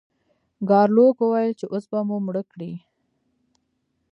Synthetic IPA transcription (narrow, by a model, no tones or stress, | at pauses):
ɡɑɾlokwəwajəlt͡ʃeʔosbamumɽəkɽi